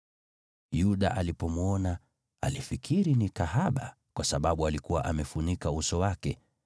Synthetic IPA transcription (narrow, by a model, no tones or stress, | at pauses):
juɗa̰ʔalipɔmuɔna | a̰lifikʰiɾinikahaɓa | kwʔasaɓaɓualikuwa̰ʔamɛfuɲikausɔwakɛ